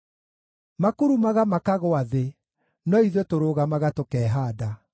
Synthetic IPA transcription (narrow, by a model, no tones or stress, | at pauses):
makuɾumaɣamakaɣoaðe | nɔiðɔtoɾoːɣamaɣatokɛːɦaːda